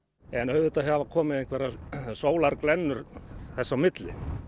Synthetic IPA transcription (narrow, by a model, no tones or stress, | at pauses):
ɛnœɥðʏt̪aɦavakʰɔːmɪðejŋkʰvɛːɾasoːwlaɾklɛnːʏɾ̥θɛsːamɪt̪lɪ̰